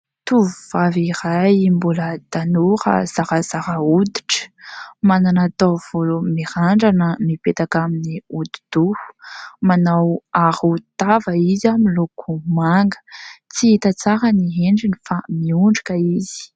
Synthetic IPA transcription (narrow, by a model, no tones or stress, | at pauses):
t̪uvuv̥avirajimbuləd̪̥anuɾa̰z̥aɾəz̥aɾaud̪i̥ʈ͡ʂə̥mananat̪av̥olumiɾaɳɖ͡ʐanəmipet̪akaminiud̪id̪̥uhu̥manawaɾut̪avəizamilokʰumaŋɡə̥t͡siit̪at͡saɾəniɦeɳɖ͡ʐinifamiuɳɖ͡ʐikəizi̥